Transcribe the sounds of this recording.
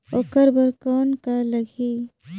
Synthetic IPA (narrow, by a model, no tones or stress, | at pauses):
oːkəɾbəɾkɔːnkalɐɡʱiː